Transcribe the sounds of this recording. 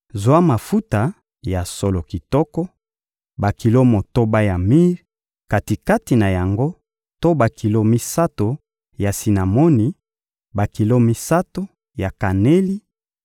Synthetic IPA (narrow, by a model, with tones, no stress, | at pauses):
zwa˦ma˨fu˦ta˨ | ja˨so˨lo˨ki˨tɔ˦kɔ˦ | ba˨ki˨lo˦mo˨to˦ba˦ja˨mi˦ʁ | ka˨ti˨ka˦ti˨na˨ja˨ŋɡo˦ | to˦ba˨ki˨lo˦mi˦sa˦to˨ | ja˨si˨na˨mo˦ni˨ | ba˨ki˨lo˦mi˦sa˦to˦ | ja˨ka˨ne˦li˦